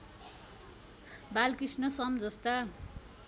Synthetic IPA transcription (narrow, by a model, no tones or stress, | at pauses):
balkisnʌsʌmd͡zʌst̪a